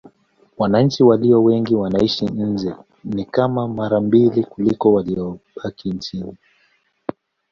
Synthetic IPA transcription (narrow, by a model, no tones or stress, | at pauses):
wanaɲ̩t͡ʃiwaliɔwɛŋɡiwanaiʃin̩d͡ʒɛ | nikamamaɾambilikulikɔwaliɔɓakint͡ʃini